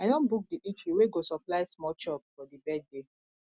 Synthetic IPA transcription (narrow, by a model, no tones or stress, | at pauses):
adɔ̃nbuk̚diʔit͡ʃiweɡosɔplaɪsmɔt͡ʃɔpfɔdibɛd̚de